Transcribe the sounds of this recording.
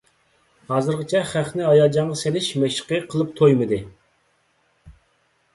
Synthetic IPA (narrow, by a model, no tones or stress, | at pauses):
hɑːzɨɾʁɨt͡ʃʰɛχæχnɪɑjɑd͡ʒɑɴʁɑselɪʃmɛʃə̥qəqʰəlˠɨp̚t̪ʰojmɨd̪ɨ